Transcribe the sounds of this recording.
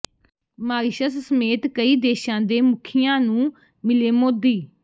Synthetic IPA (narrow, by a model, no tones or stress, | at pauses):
maːɾɪʃəssəmeːt̪kəiːd̪eːʃãːd̪eːmʊkʰɪjãːnũː | mɪleːmoːd̪iː